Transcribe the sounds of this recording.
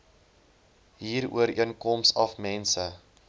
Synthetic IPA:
ɦiːɾṵəɾḭənkɔmsɐfmɛnsə

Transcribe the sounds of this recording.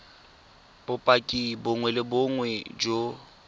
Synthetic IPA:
b̥ʊpʼakʼibʊŋwɛlɪbʊŋwɛd͡ʒo

